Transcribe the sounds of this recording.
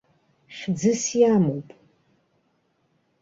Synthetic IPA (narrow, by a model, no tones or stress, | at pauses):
ʃd͡zɨsjamowpʼ